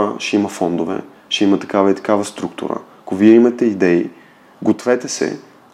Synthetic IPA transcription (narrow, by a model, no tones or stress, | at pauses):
əʃɛimɐfɔnd̪ovɛ̰ | ʃɛimɐt̪ɐ̥kavɐit̪ɐ̥kavɐst̪ɾukt̪ʊ̰ɾə̰ | koviɛimɐt̪ɛid̪ɛi | ɡot̪vɛt̪ɛsɛ̰